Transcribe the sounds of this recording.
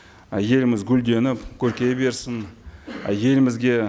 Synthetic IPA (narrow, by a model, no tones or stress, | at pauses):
je̞lmɪzɡʲʏld̪e̞nɪpkʲʰɵɾkʲe̞be̞ɾsɪn | je̞lɪmɪzɡʲe̞